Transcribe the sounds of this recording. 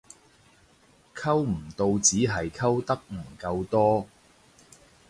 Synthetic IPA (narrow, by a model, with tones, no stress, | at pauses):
kʰɐ˥wm̩˨˩t̪o˧wt͡siː˨˥ɦɐ˨jkʰɐ˥wt̪ɐ˥k̚m̩˨˩kɐ˧wt̪ɔː˥